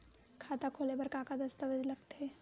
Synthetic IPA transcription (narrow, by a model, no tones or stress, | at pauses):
kʰaːt̪akʰoːlebɐɾkaːkad̪ɐst̪əʋəd͡ʒlɐɡt̪e